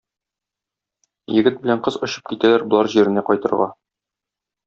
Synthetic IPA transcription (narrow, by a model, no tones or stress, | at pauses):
jɘ̆ɡɘt̪̚bɘ̆læɴqɤzɒɕɤ̥p̚kit̪ælæɾbŏlˠɑɾʑiɾɘ̆næqɒjt̪ɤ̆ɾʁɑ̰